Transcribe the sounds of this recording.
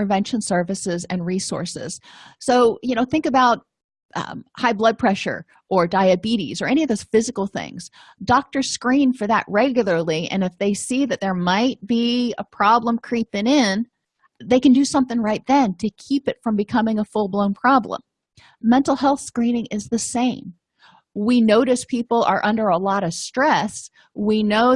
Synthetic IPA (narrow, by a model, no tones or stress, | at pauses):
ɨvɛ̃nʃɨ̃n̩sɜ˞vɨsɪzɨ̃nɹisɔ̰ɹsɪ̰z̥soʊjɨñoʊθɪ̃ŋkɨbaʊt̚ | ʔʌ̰haɪblʌd̚pʰɹ̥ɛʃə̰˞ | ʔə˞daɪɨbiɾḭzə˞ɛniʌvðoʊz̥fɪzɨkl̩ˠθɪ̰̃ŋz̥ | dɑk̚tə˞skɹĩnfə˞ðə̰ʔ̚ɹɛɡjl̩ˠə˞lˠiɨ̰̃nɨfðeɪsiðɨt̪̚ðə˞maɪt̚b̥iə̰pʰɹ̥ɑblə̃mkʰɹ̥ipɪ̃ŋɪ̃n | ðeɪkɨ̃n̩dɨsʌ̃mθɪ̃ŋɹaɪt̪̚ðɨ̃ntʰɨkʰipɨtfɹʌ̃mbɨkʰʌmɪ̃ŋəfʊlˠblõʊ̃npʰɹ̥ɑblə̰̃mː | ɛ̃ntˡl̩ˠhɛlˠθskɹĩnɪ̃ŋɪzðɨsẽɪ̃m | winoʊɾɨspʰipl̩ˠə̰˞ʔʌ̃ndə˞əlɔɾʌv̥stɹ̥ɛs | winoʊ